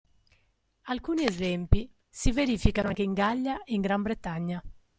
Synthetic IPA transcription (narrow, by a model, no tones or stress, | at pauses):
alkuːniezɛmpi | siveɾiːfikanaŋk̟eiŋɡalːaeiŋɡɾambɾet̪aɲːa